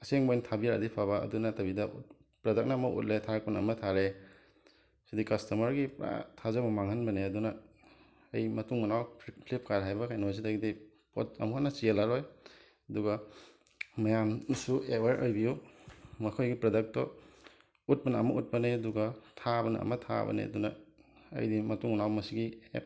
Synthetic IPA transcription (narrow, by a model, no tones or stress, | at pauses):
ɐseŋbojntʰabiɾa̰dipʰaβɐɐ̰dunɐtɐbidɐṵt̚ | pɾɐdɐk̚naːmɐʔṵt̚letʰak̚punɐ̰mɐtʰaɾe | sidikɐstɐmɐɾɡipɾa̰tʰazamɐmaŋɦanbɐneɐdunɐː | jmɐtuŋmɐnawpʰlip̚kaɾɦajbɐkʰajnoz̬idaɡidi | po̰tɐ̰muɦanɐt͡ʃielaɾoj | ɐduɡɐ | mɐjamsueweɾʔojbijumɐkʰojɡipɾɐdɐk̚tɔ | ut̚pɐnɐɐmɐʔut̚pɐneɐduɡɐtʰabɐnɐ̰ɐ̰mɐtʰa̰bɐ̰nḛɐ̰dunɐɐ̰jdimɐtuŋnawmɐsiɡiḛ